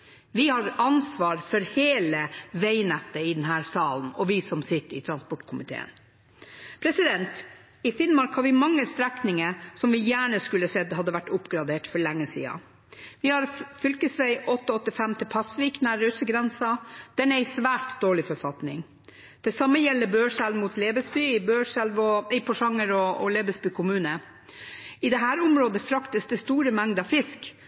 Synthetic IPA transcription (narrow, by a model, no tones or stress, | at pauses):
ʋɪhɑɾɑnsʋɑːɾfɔɾheːləʋæɪnɛt̪ːəɪd̪ɛnɦæːɾsɑːln̩ɔʋɪsɔmsɪt̪ːɪ̰t̪ʰɾɑnspɔʈkʰʊmɪt̪ʰḛːə̰n | pʰɾɛsɪd̪ɛnt̪ | ɪfɪnmɑɾkhɑɾʋɪmɑŋːəst̪ɾæknɪŋəsɔmʋɪjæːɳəskʉlːəsɛd̪hɑd̪ːəʋæʈːʊpɡɾɑd̪eːʈfɔɭɛŋːəsḭːɑ̰ | ʋɪhɑɾfʏlkəsʋæɪʔɔt̪ːəɔt̪ːɪfɛmt̪ʰɪlpʰɑsʋiːknæɾøːsəɡɾɛnsɑd̪̥ɛnæɪsʋæːʈd̪oːɭɪfɔɾfɑt̪nɪ̰ŋ | d̪̥ɛsɑmːəjɛlːəbøːʂælʋmut̪leːbəsbyɪbøːʂælʋɔɛɪpʰɔʂɑŋːəɾɔɔ̰leːbəsbyːkʰʊmʉːnə | ɪd̪ɛɦæːɾʊmɾoːd̪əfɾɑkt̪əsd̪ɛst̪uːɾəmæŋd̪ɑʋfɪsk